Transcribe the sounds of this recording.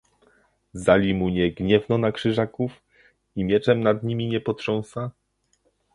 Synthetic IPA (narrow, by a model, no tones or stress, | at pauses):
zalʲimuɲɛɡɲɛvnɔnakʂɘʐakuf | imʲjɛt͡ʂɛmnad̪ɲimʲiɲɛpɔt̪ʂɔ̃w̃sa